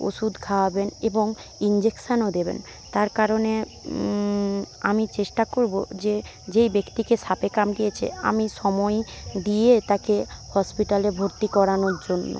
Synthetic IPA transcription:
o̰ʃud̪kʰabeneboŋ | ind͡ʑekʃanod̪ebḛn | t̪aɾkaɾone | amit͡ɕeʃʈakoɾbod͡ʑe | d͡ʑejbekt̪ikeʃapekamɖiet͡ɕʰḛa̰miʃɔmɔed̪ijet̪akehɔspiʈalebʱoɾt̪ikɔɾanoɾd͡ʑonːo̰

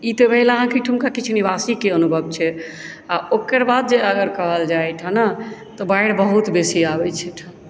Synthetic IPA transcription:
it̪ɔbɛɦiləɦãkiʈʰumkakit͡ʃʰnibasikeənubʱəb̚t͡ʃʰɛ | aʔokəɾbad̪̚d͡ʒeəɡəɾkəɦəld͡ʒajt̪ʰənət̪ɔbajɽbəɦut̪besiabɛt͡ʃʰɛʈ̪ʰ

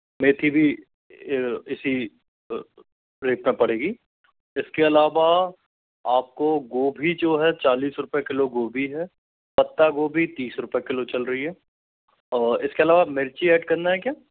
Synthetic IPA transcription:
meːt̪ʰibʱi | ɪsi | ɾeːpmẽpɐɽ̤eːɡiː | ɪskeɐlaːʋa | aːp̚koɡoːbʱid͡ʒoːɦɛt͡ʃaːliːsɾʊpjekɪloɡoːbʱiɦɛː | pɐt̪ːaɡoːbʱit̪iːsɾʊpjekɪlot͡ʃɐlɾɐɦiɦɛː | ɪskeɐlaːʋamɪɾt͡ʃiɛːɖkɐɾnaɦɛkjaː

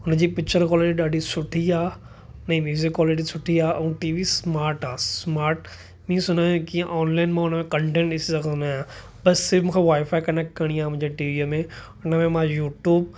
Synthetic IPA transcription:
ʊnəd͡ʑiːpɪkt͡ʃəɾkɔːlɪʈiɗaːɖisʊʈʰiaː | nɐĩmjuːzɪkːaːlɪʈ̬isʊʈʰiaːʔɛ̃ːʈiːʋismaːɾʈaːsmaːɾʈ | mĩːsʊnaːjũkiãʔɔːnlaːɪnmãʊnəmẽkɐ̃ɳʈẽːɳʈɪsizɐkʰaʊ̃naːjãː | bɐsːɪɾfmũkʰãʋaːɪfaːikɐneːk̚ʈkɐɽ̃iaːmʊ̃ɪ̃ɲd͡ʑeʈiːʋiəmẽ | ʊnəmẽmãjuːʈjuːb̚

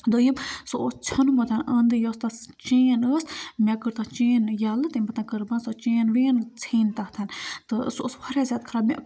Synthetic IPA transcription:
d̪ojimsoost͡ʃʰɐnumot̪ʰanɐnd̪ɨjost̪ast͡ʃeːnəsmʲakɨɾt̪at͡ʃeːnjalɨt̪ɨmɐt̪ãnkəɾbansot͡ʃeːnʋeːnt͡sʰiːnt̪aht̪ʰɐnt̪ɨso̰ːspʰɐɾʲjazʲad̪̚kʰɾamʲa̰

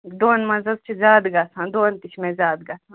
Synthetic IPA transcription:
d̪oːnmɐzɐzt͡ʃʰizaːd̪ɡasʰãːd̪oːnt̪it͡ʃʰmẽzaːd̪ɡasʰã

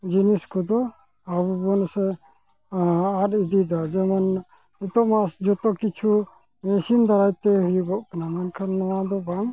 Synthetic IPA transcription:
d͡ʒiniskɔd̪ɔ | abubɔnsɛ | aɗid̪id̪ɔad͡ʒɛman | it̪ɔʔmasd͡ʒɔt̪ɔkit͡ʃʰu | mɛsind̪aɾajt̪ɛɦujuɡɔʔkanamankʰanːɔwad̪ɔbaŋ

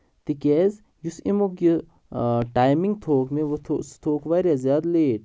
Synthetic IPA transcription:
t̪ikɛːz | jusimokji | ʈaːjmiŋɡt̪ʰoːkmẽʋt̪ʰst̪ʰoːkʋaːɾazjaːd̪leːʈ̚

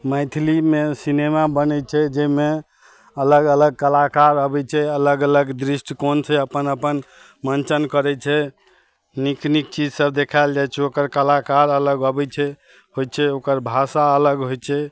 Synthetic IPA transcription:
məjt̪ʰlimesinemabənɛt͡ʃʰɛd͡ʒɛme | ələɡələɡ̚kəlakaɾəbɛt͡ʃʰɛələɡələɡd̪ɾisʈʰkont͡ʃʰɛəpənəpən | mənt͡ʃənkəɾɛt͡ʃʰɛ | niknik̚t͡ʃid͡ʒsəbd̪ekʰaɪld͡ʒajt͡ʃʰɛokəɾkəlakaɾələɡəbɛt͡ʃʰɛ | ɦojt͡ʃʰɛokəɾbʱasaələɡɦojt͡ʃʰɛ

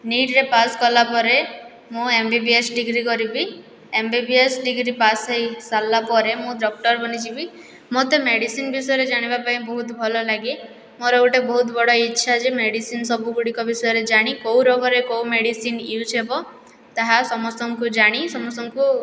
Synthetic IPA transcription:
niʈɾepaskɔlapɔɾe | mũembibiesɖiɡɾikɔɾibi | embibiesɖiɡɾipasejsalːapɔɾemũɖɔk̚ʈɔɾbɔnit͡ʃʰibi | mot̪emeɽisinbisɔjɔɾed͡ʒaɽ̃ibapaĩbɔɦut̪ɔbʱɔlɔlaɡi | moɾeuʈebɔɦut̪ɔbɔɽɔitːʃʰad͡ʒemeɽisinsɔbuɡuɽikɔbisɔjɔɾed͡ʒaɽ̃ikowɾɔɡɔɾekowmeɽisiniut͡ʃʰebɔ | t̪aɦasɔmɔst̪ɔŋkud͡ʒaɽ̃isɔmɔst̪ɔŋku

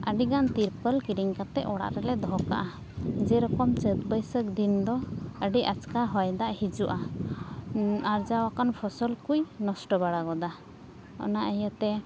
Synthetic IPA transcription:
əɖiɡant̪iɾpəlkiɾiŋkat̪ɛʔʔɔɽa̰ʔɾɛlɛd̪ɔɦɔka̰ʔa | d͡ʒɛɾɔkɔmt͡ʃət̪bəjsək̚d̪ind̪ɔəɖiat͡ʃkaɦɔjd̪aʔhid͡ʒuʔa | aɾd͡ʒawakanpʰɔsɔlkujnɔsʈɔbaɽaɡɔd̪a | ɔ̰naʔəjat̪ɛ

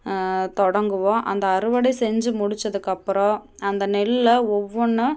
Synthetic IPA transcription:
t̪ɔɽɐŋɡɯʋõːʔɐ̰nd̪ɐɐɾɯʋɐɽɐɪsɛɲd͡ʒɯmʊɽɪt͡ʃːɐðɯkːɐpːɯɾɔ̃ɐnd̪ɐnɛlɯlɐɔʋːɔɳːɯ

